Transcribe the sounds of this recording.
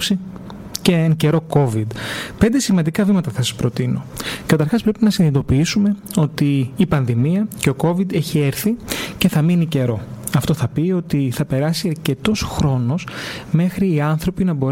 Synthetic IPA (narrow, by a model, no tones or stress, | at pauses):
si | ceeŋceɾo̞ko̞vid̪pe̞nd̪e̞simɐnd̪ikɐvimɐt̪ɐθɐsɐ̥spɾo̞t̪ino̞̰kɐt̪ɐɾxɐspɾe̞pinɐsinit̪o̞piisume̞o̞t̪iːpɐnðimiɐce̞o̞ko̞vid̪e̞çie̞ɾθice̞θɐminice̞ɾo̞ɐft̪o̞θɐpio̞t̪iθɐpe̞ɾɐsiɐɾce̞t̪o̞sxɾo̞no̞sme̞xɾiːɐnθɾo̞pinɐbo̞ɾ